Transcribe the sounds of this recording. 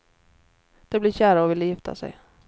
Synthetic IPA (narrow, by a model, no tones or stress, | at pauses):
d̪̥ɛblɪɾɕæːɾaɔvɪlːjɪft̪ʰa̰sɛ̰j